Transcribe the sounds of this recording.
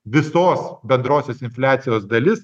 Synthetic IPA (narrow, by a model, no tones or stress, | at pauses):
ʋʲɪsoːsbʲɛnd̪ɾoːsʲoːsɪnʲfʲlʲæːt̪sʲɪjoːsd̪ɐlʲɪs